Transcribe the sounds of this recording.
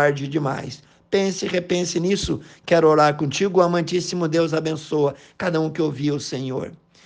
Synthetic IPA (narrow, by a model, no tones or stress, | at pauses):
aɾd͡ʒɪd͡ʒɪma̰js | pẽsɪʁepẽsɪnisʊkɛɾʊoɾaɾkõt͡ʃiɡʊamɐ̃nt͡ʃisimʊd̪ewzabẽsoɐ | kad̪ɐũkɪowviʊsẽɲo̰ɾ